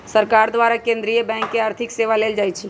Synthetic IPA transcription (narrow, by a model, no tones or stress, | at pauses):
səɾkaːɾd̪ʋaːɾakẽnd̪ɾijebɛ̃ːŋkːeaːɾt̪ʰɪkseːʋaleːld͡ʒaːjt͡ʃʰi